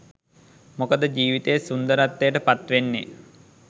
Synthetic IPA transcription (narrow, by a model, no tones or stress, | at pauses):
mokəd̪əd͡ʒiːʋit̪ejsund̪əɾat̪ːejəʈəpat̪ʋenːḛ